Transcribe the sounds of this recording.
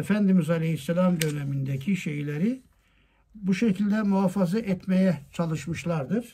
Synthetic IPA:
efænd̪imizalʲehisːelʲamd̪ø̞nemind̪ecʰiʃejlʲeɾi | buʃecʰilʲd̪ɛmuaːfazɯʔɛt̪mejɛt͡ʃʰalˠɯʃmɯʃlˠaɾd̪ɯɾ̥

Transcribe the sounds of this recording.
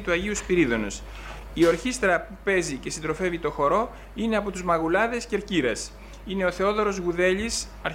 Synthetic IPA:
t̪uɐʝiuspiɾiðo̞nos | io̞ɾçist̪ɾɐpupe̞zice̞sind̪ɾo̞fe̞vit̪o̞xo̞ɾo̞ | ine̞ɐpo̞t̪uzmɐɣulɐðe̞sceɾciɾɐs | ine̞o̞θe̞o̞ðo̞ɾo̞zɣuðe̞ʎis | ɐɾ

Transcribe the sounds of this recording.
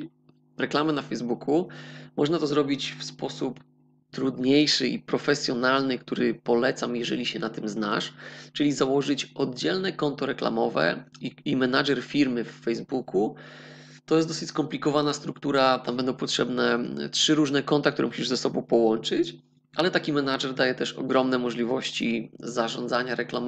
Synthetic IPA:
ɾɛklamɛnafɛjzbukʰumɔʐnat̪ɔzɾɔbʲit͡ɕfspɔsup | t̪ɾud̪ɲejʂɘʔḭpɾɔfɛsʲjɔnalnɘkt̪uɾɘpɔlɛt̪samjɛʐɛlʲiɕɛnat̪ɘmzna̰ʂt͡ʂɘlʲizawɔʐɘt͡ɕɔd̪̚d͡ʑɛlnɛkɔnt̪ɔɾɛkla̰mɔvɛ̰iimɛnaʐɛɾfʲiɾmɘfːɛjzbukʰu | t̪ɔjɛst̪d̪ɔsɘt͡ɕʲskɔmplʲikɔvanast̪ɾukt̪uɾat̪ambɛnd̪ɔ̃w̃pɔtʂɛbnɛtʂɘɾuʐnɛkɔnt̪akt̪uɾɛmuɕiʐzɛsɔbɔ̃w̃pɔwɔnt͡ʂɘt͡ɕ | ʔalɛt̪akʲimɛnaʐɛɾd̪ajɛt̪ɛʂɔ̰ɡɾɔmnɛmɔʐlʲivɔɕt͡ɕḭzaʐɔnzaɲaɾɛklam

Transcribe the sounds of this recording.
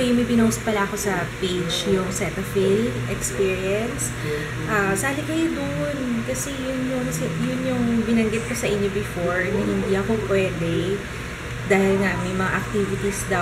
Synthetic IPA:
jʊmɐjbɪnows̚pɐlaʔɐko̞sɐped͡ʒjʊŋsɛt̪ɐfilʔɛkspiːɹiɐns | ʔasaɐlɪɡɐjod̪ʊʔnkɐsɛjʊnjʊŋsɛjʊnjʊŋbɪnɐŋɡɪt̪̚kosɐʔɪnjobɪfoɹnɐhɪnd̪iʔɐkopwɛːd̪ɛ | d̪aːhɪlŋaʔmɐjmɐŋaʔɐk̚t̪ivɪt̪isd̪ɐ

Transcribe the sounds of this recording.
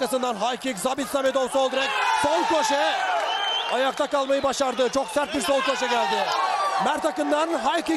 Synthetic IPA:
kasɯnd̪anɦajkʰikzabit̪samed̪ovsolˠd̪ɾɛk̚ʲsolˠkʰoʃɛ | ɑjaq̚t̪ʰakɑlˠmajɯbaʃaɾd̪ɯt͡ʃʰoksæɾt̪̚biɾsolˠkʰoʃ̬ɛɟʲælʲd̪ɪmæɾt̪ʰakɯnd̪anɦajki

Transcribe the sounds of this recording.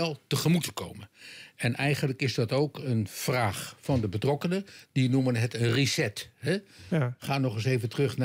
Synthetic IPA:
ɛlˠtəχəmutəko̰wmənɛnʔɛjχəndləkɪzdɑtowkənfraːχfɑndəbətrɔkənədinumənɦətənrisɛtɦɛχaːnɔχɪs̬ejvəntərɵχna

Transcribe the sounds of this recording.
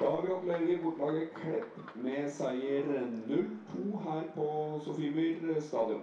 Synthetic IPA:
d̪̥ɑːhɑɾʋɪɔpleːɡ̪əbʊʈlɑːɡəkʰɽɛpː | mɛsæɪəɾnʉlt̪ʰuːɦæːɾpʰɔsʊfɪbɪɾst̪ɑːd̪ɪʊ̰

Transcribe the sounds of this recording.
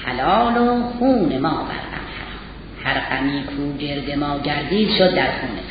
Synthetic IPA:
hæ̰lɒːloxuːnemɒːbæ̰ɾqæ̰mhæ̰ɾɒːm | hæɾɢæmiːkʰuːɟeɾd̪e̞mɒːɟæɾd̪iːd̪̥ʃod̪ːæɾxuːne

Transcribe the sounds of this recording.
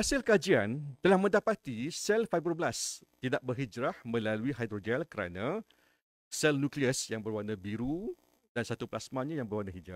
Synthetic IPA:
hasɪlkad͡ʒiant̪əlahmə̃ndapat̪isɛlfajbɾəbəlast̪idaʔ̚bərɦid͡ʒɾahmə̃laluiɦajd̪ɾod͡ʒɛlkəɾa̰nã | sɛlnũkliəsjaŋbərwanabiɾu | dansat̪uplasmãɲãjaŋbəɾwanaɦid͡ʒa̰

